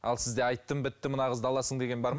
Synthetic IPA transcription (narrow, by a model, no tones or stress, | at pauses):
ɑ̰lˠsɪzd̪e̞ɑjt̪ːəmbɪt̪ːɪmənɑʁəzd̪ɑlˠɑsəɴd̪e̞ɡʲe̞nbɑɾm